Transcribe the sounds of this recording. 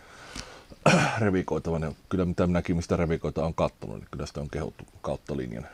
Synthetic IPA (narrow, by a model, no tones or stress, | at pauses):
reʋikoˑit̪ɑʋɑnjɑkylːæmit̪æmnækimist̪æreʋikoˑit̪ɑoːŋkɑt̪ːo̰nṵnḭkylːæsi̥t̪æoŋkehṵt̪ːukɑˑut̪ːɑlḭnjɑ̰n